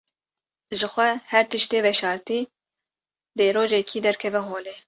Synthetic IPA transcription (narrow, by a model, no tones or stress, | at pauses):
ʒɨxʷɛhɛɾt̪ɨʃt̪eːvɛʃɑːɾt̪iː | d̪eːɾoːʒɛkʰiːd̪ɛɾkʰɛvɛɦoːleː